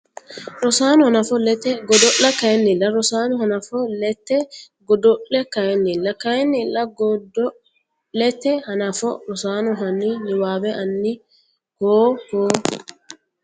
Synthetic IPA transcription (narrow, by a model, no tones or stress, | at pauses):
ɾɔsaːnɔhɐnɐfɔlɛt̪ɛɡɔd̪ɔʔɐkɐjɛnːɪlːɐɾɔsaːnɔhɐnɐfɔlɛt̪ːɛ | ɡɔd̪ɔʔlɛkɐjɛnːɪlːɐkɐɛnːɪlːɐɡɔd̪ɔ | lɛt̪ːɛhɐnɐfɔ̰ɾɔsaːnɔɦɐnːɪnɪwaːbɛʔɐnːɪ | hoːhoː